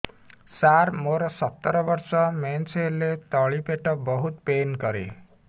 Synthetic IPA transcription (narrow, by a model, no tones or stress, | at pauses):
saɾmoɾɔsɔt̪ːɔɾɔbɔɾsɔmenselet̪ɔɭipeʈɔbɔɦut̪penkɔɾḛ